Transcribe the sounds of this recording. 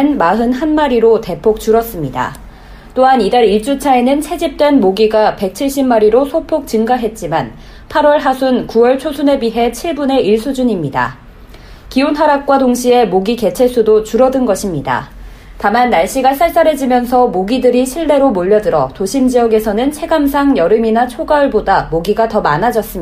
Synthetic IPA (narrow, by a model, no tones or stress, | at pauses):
nmaɦɯnɦanmaɾiɾote̞pʰok̚t͡ɕuɾʌs͈ɯmɲida̰ | t͈oɦanidaɾiɭt͡ɕ͈ut͡ɕʰae̞nɯnsʰe̞d͡ʑip̚t͈we̞nmoɡiɡape̞k̚t͡ɕʰiɭɕ͈imːaɾiɾosʰopʰok̚t͡ɕɯŋɡaɦe̞t̚t͡ɕ͈iman | pʰaɾwʌɭɦasʰunkuwʌɭt͡ɕʰosʰune̞biɦe̞t͡ɕʰiɭbune̞iɭs͈ud͡ʑuɲimɲida̰ | kionɦaɾak̚k͈wadoŋɕʰie̞moɡike̞t͡ɕʰe̞s͈udot͡ɕuɾʌdɯnɡʌɕʰimɲida̰ | tamanːaɭɕ͈iɡas͈ʰaɭs͈aɾɦe̞d͡ʑimjʌnsʰʌmoɡidɯɾiɕʰiɭːe̞ɾomoʎːʌdɯɾʌtoɕʰimd͡ʑijʌɡe̞sʰʌnɯnt͡ɕʰe̞ɡamsʰaŋjʌɾɯminat͡ɕʰoɡaɯɭbodamoɡiɡatʌma̰nad͡ʑʌs͈ɯ